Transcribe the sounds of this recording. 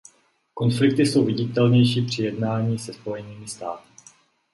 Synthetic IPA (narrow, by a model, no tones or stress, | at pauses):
ko̞nflɪk̚t̪ɪso̞wvɪɟɪt̪ɛlɲɛjʃiːpr̝̥ɪjɛdnaːɲiːsɛspo̞jɛniːmɪst̪aːt̪ɪ̥